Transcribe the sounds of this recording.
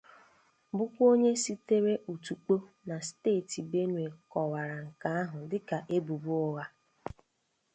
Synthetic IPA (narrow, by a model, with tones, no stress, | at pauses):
bʊ˦kʷo˦ɲe˦si˦te˦ɾe˦ʔu˨tu˨k͡po˦ | na˨steː˦˨ti˨be˦nwe˨kɔ˨wa˨ɾa˨ŋ̩˨ka˨a˦ɦʊ˨dɪ˦ka˨ʔe˦bu˨bu˦ɔ˦ɣa˦